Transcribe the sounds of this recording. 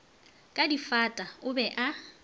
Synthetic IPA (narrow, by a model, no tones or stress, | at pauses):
kʼadifatʼaʊbɛʔa